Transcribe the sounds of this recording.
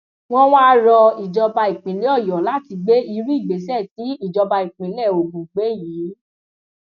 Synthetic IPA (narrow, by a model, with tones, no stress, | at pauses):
w̃ɔ̃˦w̃ã˦ɾɔ˧i˨d͡ʒɔ˧ba˧i˨k͡pĩ˨˦li˦ɔ˦˨jɔ˨la˨˦ti˧ɡ͡be˦i˧ɾi˦i˦˨ɡ͡be˨˦sɛ˦˨ti˨˦i˦˨d͡ʒɔ˧ba˧i˨k͡pĩ˨˧lɛ˦˨o˨ɡũ˨ɡ͡be˦jiː˨˦